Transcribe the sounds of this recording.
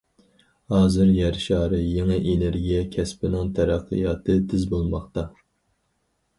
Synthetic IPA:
hɑːzɨɾjæɾʃɑːɾɨjeŋɨʔeneɾɡʲijɛkʲʰɛspɪnɪŋt̪ʰæɾæqʰːɨ̰jɑːt̪ʰɨt̪ʰɪzbolˠmɑχt̪ɑ

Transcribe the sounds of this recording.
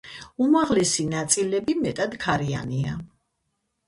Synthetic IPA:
umaʁlɛsinat̪sʼilɛbimɛt̪ʼad̪kʰaɾia̰nia̰

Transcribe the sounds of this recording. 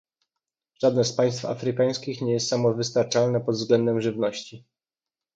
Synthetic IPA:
ʐ̥ad̪nɛspaj̃st̪fa̰fɾɘkaj̃skʲixɲɛjɛst̪samɔvɘst̪aɾt͡ʂalnɛpɔd̪vzɡlɛnd̪ɛmʐɘvnɔɕt͡ɕi

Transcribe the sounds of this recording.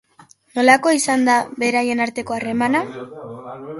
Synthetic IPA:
no̞lako̞isand̪aβe̞ɾaje̞naɾt̪e̞ko̞are̞mana

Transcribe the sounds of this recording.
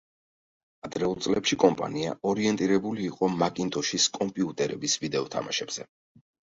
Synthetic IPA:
ad̪ɾɛulˠt̪sʼlɛpʃikʼɔmpʼa̰nia̰ɔɾiɛnt̪ʼiɾɛbuliːqʼɔmakʼint̪ʼɔʃiskʼɔmpʼiut̪ʼɛɾɛbisvid̪ɛɔt̪ʰa̰maʃɛbz̥ɛ

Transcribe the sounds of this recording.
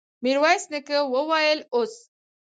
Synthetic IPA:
miɾwajsnəkəwəwajəlos

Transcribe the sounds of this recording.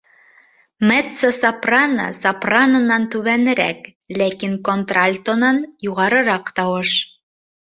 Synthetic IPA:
met̪sosɑpranɑ̰sɑpranənɑnt̪ʉβænɘ̆ɾæ̰k | lækinkont̪ralʲt̪onɑnjuʁɑɾɤ̆ɾɑqt̪ɑwɤʃ

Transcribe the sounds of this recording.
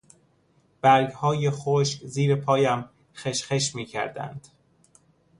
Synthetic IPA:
b̥æɾɡhɒːjexoʃkziːɾepʰɒːjæm | xeʃxeʃmiːcʰæ̰ɾd̪æ̰nd̪̥

